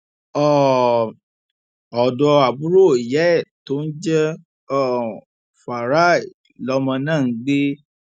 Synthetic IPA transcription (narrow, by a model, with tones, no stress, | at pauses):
ɔ˦˨ | ɔ˨dɔ˧a˨bu˦ɾo˦˨i˨jɛ˨˦˨to˦n̩˦d͡ʒɛ˦ | ɔ˦˨ | fa˨ɾa˦˨ | lɔ˦mɔ̃˧nãː˦˨˦ɡ͡be˦